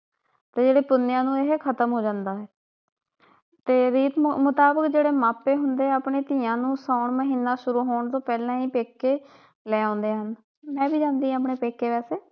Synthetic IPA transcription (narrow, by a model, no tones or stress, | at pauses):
t̪eːd͡ʒeːɽeːpʊnːjãːnũːeːɦkʰət̪əmɦoːd͡ʒãːnd̪aːɦɛː | t̪eːɾiːt̪mʊt̪aːbəkd͡ʒeːɽeːmaːpeːɦʊnd̪eːaːpɳeːt̪iːãːnũːsaːʊɳməɦiːnːaːʃʊɾuːɦoːɳt̪õːpɛːlãːiːpeːkːeː | lɛːãːnd̪eːɦən | mɛ̃ːbiːd͡ʒãːnd̪iːãaːpɳeːpeːkːeːʋɛːseː